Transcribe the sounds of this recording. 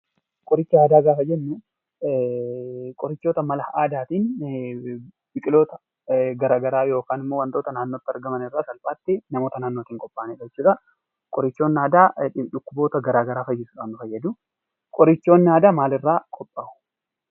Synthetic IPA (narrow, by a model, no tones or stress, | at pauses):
kʼɔɾɪt͡ʃːɐaːd̪aːɡaːfɐd͡ʒɛnːɛ | kʼɔɾɪt͡ʃːo̞ːt̪ɐmɐlɐʔaːd̪aːt̪iːn | bɪkʼɪlo̞ːt̪ɐ̥ | ɡɐɾaːɡɐɾaːjo̞ːkaːnɪmːoːwɐnt̪ʼo̞ːt̪ɐnaːnːoːt̪ːɪɐɾɡɐmɐnɪrːaːsɐlpʼaːt̪ːɪnɐmo̞ːt̪ɐnaːnːoːt̪iːŋkʼɔpʼːaːneᶑɛt͡ʃːuːᶑɐ | kʼɔɾɪt͡ʃːo̞ːnːaːd̪aːᶑʊkːʊboːt̪ɐɡɐɾaːɡɐɾaːfɐjːɪsʊᶑaːnd̪ʊfɐjːɐd̪ʊ | kʼɔɾɪt͡ʃːo̞ːnːaːd̪aːmaːlɪrːaːkʼɔpʼːaʔʊ̥